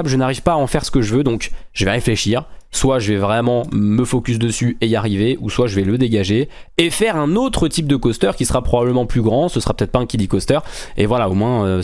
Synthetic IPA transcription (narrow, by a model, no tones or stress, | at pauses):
blʒənaʁivpaːɑ̃fɛʁsə̥kəʒəvød̪ɔ̃kʒ̥əvɛʁefleʃiʁswaʒəvɛvʁɛmɑ̃məfɔkʲys̬d̪əsyejaʁiveʔuswaʒəvɛləd̪eɡaʒe | efɛʁɛ̃not̪χət̪ip̚d̪əkɔst̪œʁkʲisəʁapχɔbabləmɑ̃plyɡʁɑ̃səsəʁapø̥t̪ɛt̪̚χpaɛ̃kʲid̪ikɔst̪œʁḛvwalaomwɛ̃ø